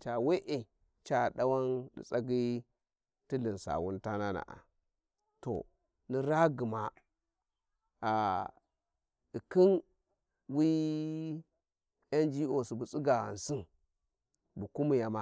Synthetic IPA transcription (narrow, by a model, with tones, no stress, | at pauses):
t͡ʃa˨we˦ʔe˨ | t͡ʃa˨ɗa˦wa˦ndḭ˨t͡sʼa˦ɡi˦ | ti˦li˨nsa̰˨wu˦nta˦na˦na̰˨ʔa̰˨ | to̰˨ | ni˦ɾa˦ɡi˨ma˨ | a˨ | di˨ki˦n | wi˦ | ja˦nd͡ʒi˦o˨si˨bu˨t͡si˦ɡa˨a̰˨n˨si˦n | bu˨ku˦mi˨ja˨ma˦